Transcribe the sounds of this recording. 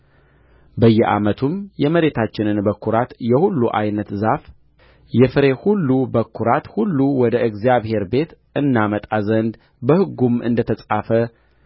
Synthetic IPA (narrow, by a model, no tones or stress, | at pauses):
bəjːɛʔa̰mət̪ʰumjɛməɾe̞t̪ʰat͡ʃːɪnɨnbəkʰːuɾat̪jɛhulːuʔajnət̪zaf | jɛfɨɾe̞hulːubəkʰːuɾat̪hulːuwɔd̪əʔɨɡzijaβhe̞ɾbe̞t̪ | ɨnːamət̪ʼazənd̪ | bəhɨɡumɨ̰nd̪ət̪ʰəsʼafə